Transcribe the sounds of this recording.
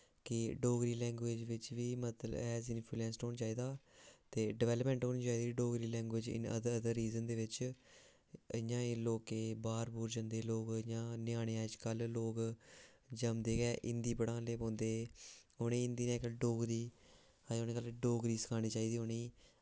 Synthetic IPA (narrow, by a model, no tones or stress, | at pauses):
kɪɖoːɡɾiːlɛ̃ːŋɡwʋeːd͡ʒʋɪt͡ʃʋiːmət̪ləɛːzɪnpʰilɛ̃ːnsʈoːnd͡ʒaːiːd̪aːt̪eːɖɪʋɛːləpmɛ̃ːɳʈɦoːniːt͡ʃaːiːd̪iːiɖoːɡɾiːlɛ̃ːŋɡweːd͡ʒɪ̰nə̰d̪əəd̪əɾːiːzənd̪eːʋɪt͡ʃ | ə̰jãːloːkeːbaːɾbuːɾd͡ʒənd̪eːloːkjãːnɪjaːɽeːaːet͡ʃkəlloːk | d͡ʒəmd̪eːɡɛːʔɪnd̪iːpəɽãːleːpõːnd̪eːoːnẽːɪ̃nd̪iːnɛ̃ːkəɖoːɡɾiː | ad͡ʒoːneːkəlɖoːɡɾiːsə̥kʰaːɽ̃iːt͡ʃaːiːd̪iːɦoːniː